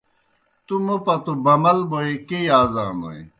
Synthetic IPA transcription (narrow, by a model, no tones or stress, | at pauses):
t̪umupɐt̪ubɐmɐlboikejaːzaːno̰ḭ̃